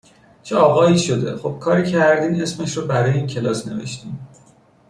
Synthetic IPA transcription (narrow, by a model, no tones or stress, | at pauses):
t͡ʃʰeɒːɣɒːiːʃo̞d̪e̞̰χob̥̚kʰɒːɾiːcʰæɾd̪iːne̞smeʃɾɒbæɾɒːjeiːncʰe̞lɒːsne̞ve̞̰ʃt̪iːm